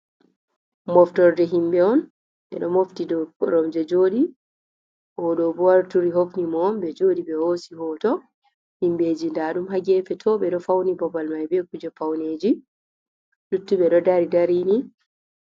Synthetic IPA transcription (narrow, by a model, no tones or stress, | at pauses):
mɔftɔɾdɛɦimbɛɔn | ɓɛ̰ɗɔmoftidɔɾɔmd͡ʒɛd͡ʒoːɗi | ʔɔɗɔbɔwaɾtuɾiɦofnimɔmbɛd͡ʒoɗiɓɛhoːsihɔːtɔ | himbeːd͡ʒindaːɗumhaɡɛfɛtʰɔɓɛɗɔfawnibɔbalmajbɛkud͡ʒɛfawned͡ʒi | lutːuɓɛɗɔdaɾidaɾini